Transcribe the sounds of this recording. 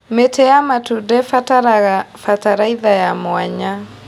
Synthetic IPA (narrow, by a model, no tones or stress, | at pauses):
metʰɛamatudɛf | fataɾaiðajamoaɲa